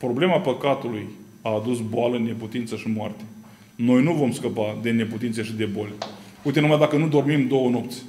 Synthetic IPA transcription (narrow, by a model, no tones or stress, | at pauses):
pɾo̞ble̞mapəkat̪uluj | aːd̪usboaləne̞put̪int̪səʃimoa̰rt̪e̥ | no̞jnuvo̞mskəpad̪e̞ne̞put̪int̪seʃid̪e̞bolʲ | ujt̪eumajd̪akənud̪o̞rmimd̪o̞wəno̞pt̪sʲ